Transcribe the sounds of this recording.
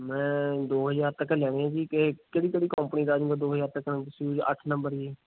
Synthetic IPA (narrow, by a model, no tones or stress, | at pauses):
mɛ̃ːd̪oːɦəzaːɾt̪əkːlɛːɽ̃eːãːd͡ʒiːkekeːɽiːkeːɽiːkəmpəniːd̪aːd͡ʒũːɡaːd̪oːɦəzaːɾt̪əkːñːt̪ʊsĩd͡ʒə̰ʈʰnə̃mbəɾiː